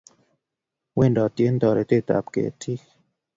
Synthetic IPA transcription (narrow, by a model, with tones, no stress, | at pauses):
we˦˨ndɔ˨t̪je˦nd̪ɔ˨ɾe˨t̪e˦t̪a̰˨pkḛ˨tʰi˦